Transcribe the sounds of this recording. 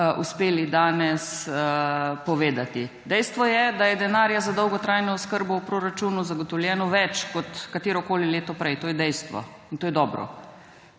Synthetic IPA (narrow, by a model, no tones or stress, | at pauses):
ṵspeːlid̪aːnɛs | pɔʋeːd̪at̪i | d̪ɛjst̪ʋɔjɛd̪ajɛd̪ɛnaːɾjazad̪ɔwɡɔt̪ɾajnɔɔskəɾbɔupɾoːɾat͡ʃuːnuzaɡɔt̪ɔwljɛːnɔʋɛt͡ʃkɔt̪kat̪eːɾɔkoːlileːt̪ɔpɾɛjt̪oːjɛd̪ɛjst̪ʋɔ̰ | int̪oːjɛd̪ɔːbɾɔ̰